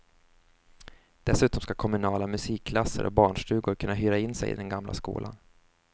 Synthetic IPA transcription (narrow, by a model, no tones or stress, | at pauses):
d̪̥ɛsʉ̟ːt̪ɔmskakʰɔmɵnɑːlamɵsiːkʰːlasːə̰ɾʔɔ̰k̚bɑːɳʂʈʉ̟ːɡʊɾkʰɵnːaɦyːɾaɪnːsɛ̰jɪ̰d̪ɛnɡamlʔa̰skṵːlʔa̰n